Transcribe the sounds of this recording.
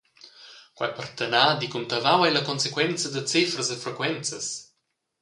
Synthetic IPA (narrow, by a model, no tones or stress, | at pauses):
kwa̰jpart̪ənad̪ikunt̪avawɛjlɐkɔnsekwɛnt͡sɐd̪ət͡sifɾəzəfɾekwɛnt͡səs